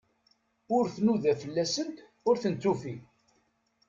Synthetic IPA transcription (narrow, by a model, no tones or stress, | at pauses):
ʊɾθnuðæfəlːæsənt̪ | ʊɾθənt͡s̪ːufi